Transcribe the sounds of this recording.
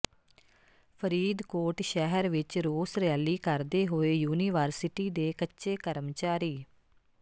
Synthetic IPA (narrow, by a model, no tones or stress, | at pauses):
pʰəɾiːd̪koːʈʃɛɦəɾʋɪt͡ʃɾoːsɾɪjaːliːkəɾd̪eːɦoːeːjuːniːʋəɾsɪʈiːd̪eːkətːʃeːkəɾmt͡ʃaːɾiː